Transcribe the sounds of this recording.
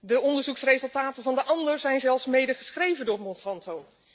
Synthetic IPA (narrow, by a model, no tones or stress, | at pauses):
dəʔɔndəɹzuksrezɵlˠtaːtənvɑndəʔɑndəɹzɛjnzɛlˠfsmejdəχəsχrejvəndʊːɹmɔnsɑntow